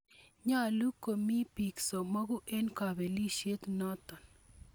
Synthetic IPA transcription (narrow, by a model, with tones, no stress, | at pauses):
ɲa˦lu˦ko˨mi˦pi˨ksɔ˨ma˦ɣʊ˦ʔe˦nka˨be˨li˦ʃe˦t̪nɔ˦t̪ɔ˨n